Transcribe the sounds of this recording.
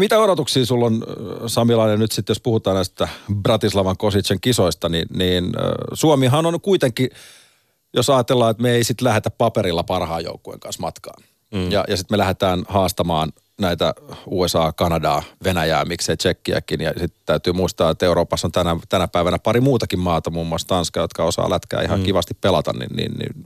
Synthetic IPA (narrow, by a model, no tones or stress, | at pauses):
mit̪æoɾot̪uksiːsulːonsɑmilɑinennyt̪sit̪jospuhut̪ɑːnæist̪æbrɑt̪islɑʋɑŋkosit͡ʃeŋkisoist̪ɑninniːnsuomiɦɑnonkuit̪eŋkːˑi | josɑːɑt̪elːɑːet̪meeisit̪læhet̪æppɑpeɾilːɑpɑrhɑːjo̰ukːuḛŋkɑ̰nsmɑt̪kɑ̰ːn | jɑ̰jɑsit̪melæhet̪æːnhɑːst̪ɑmɑːn | næit̪æ̰uːesɑːkɑnɑdɑːʋenæjæ̰ːmikseit͡ʃekːiæ̰kinjɑsit̪t̪æyt̪yːmuist̪ɑːet̪euɾoːpɑsːont̪ænæt̪ænæpæiʋænæpɑɾimuːt̪ɑkimmɑːt̪ɑmuːmːuɑst̪ɑnskɑjot̪kɑosɑ̰ːlæt̪kæ̰ːihɑŋkiʋɑst̪ippelɑt̪ɑ̰nnḭnnḭnnḭn